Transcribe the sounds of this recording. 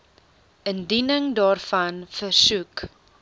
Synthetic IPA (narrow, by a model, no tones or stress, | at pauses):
əndinəŋdɑːrfɐnfərsuk